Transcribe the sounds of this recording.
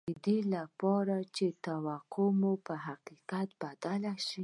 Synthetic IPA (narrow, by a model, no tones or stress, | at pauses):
əd̪elapɑɾat͡ʃet̪awaqʰomopəɦaqiqat̪̚bad̪alaʃi